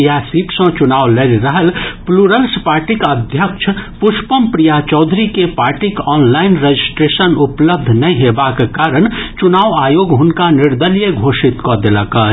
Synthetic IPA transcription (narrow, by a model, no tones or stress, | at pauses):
jasiːʈsõt͡ʃʊnaːwleɾɾəɦəlpluːɾəlspaːɾʈikəd̪ʱjəkʃʰpʊʃpəmpɾijat͡ʃɔʊd̪ʱɾikepaːɾʈikɔːnlaːɪnɾed͡ʒɪsʈɾeːʃənʊpləb̚d̪ʱnɐĩɦeːbakekaːɾəɽ̃t͡ʃʊnaːʋaːjoːɡɦʊnkanɪɾd̪əljəɡʱoːʃɪt̪kɔd̪eləka